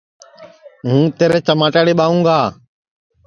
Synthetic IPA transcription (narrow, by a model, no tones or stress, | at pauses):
ɦũːt̪eːɾeːt͡ʃəmaːʈaːɽeːɓaːʋũːɡaː